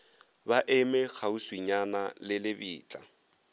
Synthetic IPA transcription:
baʔɛmɛk͡xauswiɲanalɪlɪbiːt͡ɬʼa

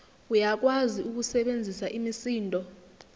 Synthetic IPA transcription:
ujak̬waziuk̬usɛɓend͡zʱisaʔimisiːntʼɔ

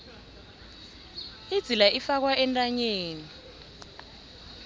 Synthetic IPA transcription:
id̥d͡z̥ʱilaʔifak̬waʔɛntʼaɲeːni

